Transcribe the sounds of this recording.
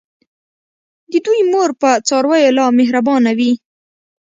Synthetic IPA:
d̪əd̪ujmoɾpət͡sɑɾwajolɑmeɦɾabɑnawi

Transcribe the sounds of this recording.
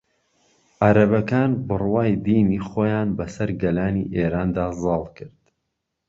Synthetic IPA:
ʔaɾɐbɐkaːnbɨrwaːjd̪iːniːχoːjaːnbɐsɐɾɡɐlaːnḭʔeːɾaːnd̪aːzɑːlˠkɨɾd̪̥

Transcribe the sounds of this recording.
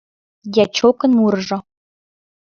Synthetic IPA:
jʲæt͡ɕokɤ̆nmuɾʐɤ̆

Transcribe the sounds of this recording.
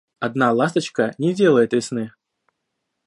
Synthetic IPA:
ɐd̪nalˠast̪ət͡ɕkənʲɪdʲelˠəjɪt̪ɪsnɨ

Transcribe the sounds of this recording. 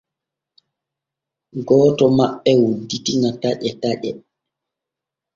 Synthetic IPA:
ɡɔːtɔmaɓːɛwudːitiŋataʄɛtaʄɛ

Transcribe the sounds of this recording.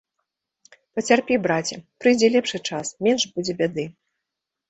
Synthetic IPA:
pɐt͡sʲarpʲɛbɾat͡sʲɛpɾɨjd͡zʲɛlʲɛpʂɨt͡ʂasmʲɛnʂbud͡zʲɛbʲad̪ɨ

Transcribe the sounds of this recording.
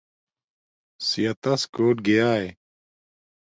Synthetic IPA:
sijɐt̪ɐskoːʈ̚ɡejaːe

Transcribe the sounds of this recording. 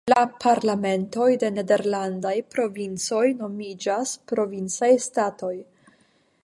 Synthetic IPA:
lapʰaɾlame̞nto̞jde̞ne̞de̞ɾlandajpɾo̞vint͡so̞jno̞mid͡ʒaspɾo̞vint͡sajstato̞j

